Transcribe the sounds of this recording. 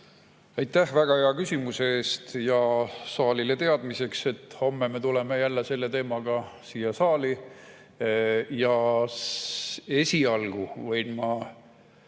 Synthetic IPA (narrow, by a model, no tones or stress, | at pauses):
ɑjt̪ːæhvæɡ̥ɑheɑkysʲimuseeːst̪jɑsɑːlilet̪e̞ɑd̪̥mise̞kse̞t̪ːho̞mːemet̪ule̞me̞jælːese̞lːe̞t̪e̞ːmɑɡ̥ɑsiːjɑsɑːli | jɑ | e̞sʲiɑlɡ̥uvɤjnmɑ